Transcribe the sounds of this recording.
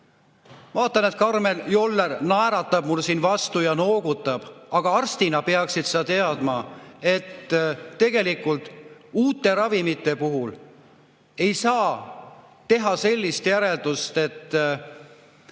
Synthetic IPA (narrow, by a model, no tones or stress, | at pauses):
vɑːt̪ːˑɑne̞t̪̚kɑrme̞ljolːernɑeɾɑt̪ˑːɑb̥mulsiːnvɑst̪ujɑno̞ːɡut̪ːˑɑb̥ɑɡ̥ɑɑrst̪inɑpeɑksid̪̥seɑt̪e̞ɑd̪̥mɑe̞t̪ːe̞ɡ̥e̞likːult̪ˑuːt̪ːˑe̞ɾɑvimit̪ːˑe̞puɦul | e̞jsɑː | t̪e̞ɦɑse̞lʲːist̪jæɾe̞ld̪̥ust̪e̞t̪ː